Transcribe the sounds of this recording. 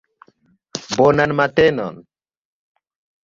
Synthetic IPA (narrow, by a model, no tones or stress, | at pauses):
bonanmat̪enɔ̰n